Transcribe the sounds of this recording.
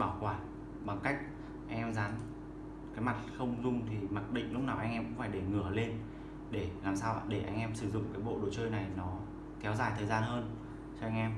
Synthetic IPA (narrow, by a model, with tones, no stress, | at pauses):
ɓaː˧˩wkwaː˧˩n | ɓa˨˩ŋka˦˥jk̟̚ | ʔa˧jŋ̟ʔɛ˧mzaː˨˦n | kaː˨˦jma˨˩t̚xə˧wŋ͡mzʊ˧ŋ͡mt̪ʰi˨˩ma˨˩t̚ɗḭ̈˧˨ŋ̟lʊ˦˥k͡p̚naː˨˩wʔa˧jŋ̟ʔɛ˧mkʊ̰˧˥ŋ͡mfaː˧˩jɗe˧˩ŋɨ˧˩əle˧n | ɗe˧˩laː˨˩msaː˧wɗe˧˩ʔa̰˧jŋ̟ʔɛ˧msɨ˧˩zʊ̰˧˨ŋ͡mkaː˨˦jɓo̰˧˨ɗo˨˩t͡ɕəː˧jna˨˩jnɔ˨˦ | kɛ˨˦wzaː˨˩jt̪ʰəː˨˩jzaː˧nhəː˧n | t͡ɕɔ˧ʔa˧ŋ̟ʔɛ˧m